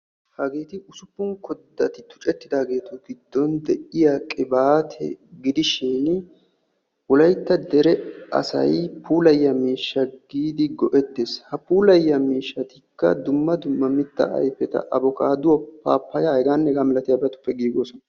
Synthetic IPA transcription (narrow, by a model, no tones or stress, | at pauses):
hɐɡe̞ːt̪ɪʔʊsʊpːʊŋkɔd̪ːɐt̪ɪt̪ʊ̥t͡ʃʼɛt̪ːɪd̪aːɡe̞ːt̪ʊɡɪd̪ːɔnd̪ɛʔɪjakʼɪbaːt̪ʰɛ̰ɡɪd̪ɪʃɪn | ʔʊlɐjt̪ːɐd̪ɛɾɛɐ̰sɐ̰jpuːlɐjːɐmiːʃːɐɡiːd̪ɪɡɔʔɛt̪ːeːshɐpuːlɐjːɐmiːʃːɐt̪ɪkːɐ̰d̪ʊmːɐd̪ʊmːɐmɪt̪ːɐ̰ʔɐ̰jpːɛt̪ɐ̰ʔɐbɔka̰ːd̪ʊwɔpːaːpːɐjaɛɡaːnːɛɡaːmɪlɐt̪ɪjɐbɛɾɐt̪ʊ̥pːɛɡiːɡoːsɔnɐ